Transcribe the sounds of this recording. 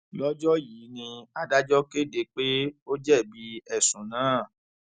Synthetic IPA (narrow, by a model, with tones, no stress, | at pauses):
lɔ˦d͡ʒɔ˦ji˨˦nĩ˧a˧da˦d͡ʒɔ˦ke˦˨de˧k͡pe˦o˦d͡ʒɛ˦˨bi˨˧˦ɛ˦˨sũ˨nãː˨˦˨